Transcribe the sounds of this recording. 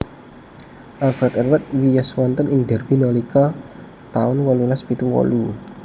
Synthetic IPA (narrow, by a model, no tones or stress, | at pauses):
ʔalfɾat̪ɛrwɛt̪̚wijaswɔnt̪ənɪŋd̪ɛrbinɔlika | t̪aʊnwɔlulaspit̪uwɔ̰lu